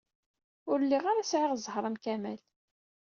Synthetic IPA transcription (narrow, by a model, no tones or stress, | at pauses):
ʊɾlːiʁaɾasʕɪʁzˤhɾˤəmkæmæl